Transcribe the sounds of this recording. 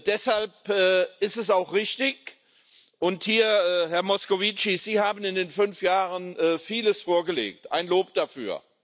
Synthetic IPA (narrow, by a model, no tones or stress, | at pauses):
d̥ɛshalpɛːɪstɛsaʊxʁɪçtɪk | ʔʊnthiːɐhɛɐmɔskovit͡ʃiz̥iːhaːbn̩ɪndeːnfʏnfjaːʁənʔɛːfiːləsfoːɐɡəlḛːk̚tʔa̰ɪnloːp̚d̥afyːɐ